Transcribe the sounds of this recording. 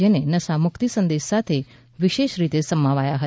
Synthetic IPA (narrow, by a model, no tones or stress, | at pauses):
enenəsamukt̪isə̃nd̪eʃsat̪ʰe | ʋiʃeʃɾit̪esəmaʋajaɦə